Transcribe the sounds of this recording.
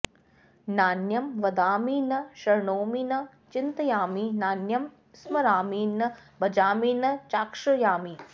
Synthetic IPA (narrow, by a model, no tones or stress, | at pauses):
naːnjɐmʋɐd̪aːmiːnɐʃɐɾɳoːminɐ | t͡ʃint̪ɐjaːminaːnjɐm | smɐɾaːmiːnːɐbɐd͡ʒaːmiːnɐt͡ʃaːkʂɐjaːmi